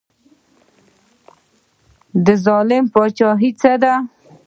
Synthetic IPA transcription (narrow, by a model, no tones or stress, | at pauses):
d̪əzɑlɪmpɑt͡ʃɑɦit͡səd̪a